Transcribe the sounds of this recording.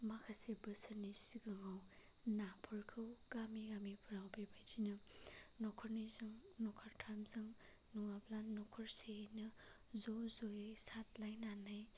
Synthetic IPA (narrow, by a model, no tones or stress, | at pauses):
makʰasebɯsanisiɡɯŋaw | napʰɔɾkʰɯwɡ̥amiɡamipʰuɾawbebajdinɯnɔkʰɔɾnizɯŋnɔkʰaɾtʰamzɯŋ | nuŋaplanːɔkʰɔɾsenɯ | zozojɯjsat̚lajnanaj